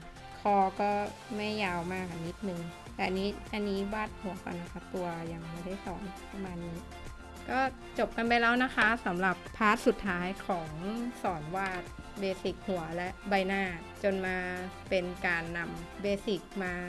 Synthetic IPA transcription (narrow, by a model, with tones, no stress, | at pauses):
kʰɔː˧kɔː˥˩ma˥˩jːaː˧wmaː˧˩ʔa˧˩ni˦˥t̪̚nɯ˨˧ŋ | t̪ɛː˨˩ʔa˧nːiː˦˥ʔa˧nːiː˦˥waː˥˩t̪̚hu˨˩˦ɐka̰˧na˦˥kʰa˦˥p̚t̪u˧ɐja˧ŋma˥˩da˥˩jsɔː˩˦npa˧maː˧nːi˦˥t̪ | kɔː˥˩ | t͡ɕo˨˩p̚ka˧npa˧jlɛː˦˥wna˦˥kʰa˦˥sa˩˦mɾa˨˩pʰːaː˦˥˩t̪̚su˨˩t̪ʰːaː˦˥jkʰɔː˩˦ŋsɔː˩˦nwaː˥˩t̪̚ | beː˧si˨˩k̚hu˩˦ɐlɛ˦˥ʔba˧jnaː˥˩ | t͡ɕo˧nmaː˧pe˧nkaː˧nːa˧mbeː˧si˨˩k̚maː˧